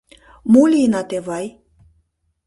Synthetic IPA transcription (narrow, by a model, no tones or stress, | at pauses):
mulʲinɑt̪eβɑj